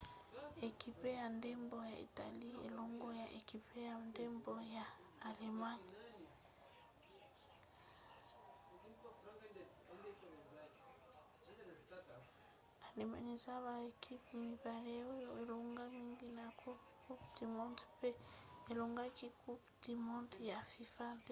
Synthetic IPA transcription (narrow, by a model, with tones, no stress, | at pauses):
e˨ki˦pe˦ja˨nde˦mbo˨ja˨ḭ˨ta˨li˦ḛ˨lo˦ŋɡo˦ja˨ʔe˨ki˨pe˦ja˨nde˦mbo˦jaː˨le˨ma˦n˨ | a˨le˨ma̰˨ɲi˨sa˦βa˨e˨kʰi˦pmi˨pa˨le˦o˦jo˦e˨lo˨ŋɡa˦mi˦ŋɡi˦na˨kʰu˦ | ku˦pti˨mɔ˦nti̥˦pe˦e˨lo˨ŋɡa˦ki˦ku˦pti˨mɔ˦nti˦ja˨fi˨fa˦d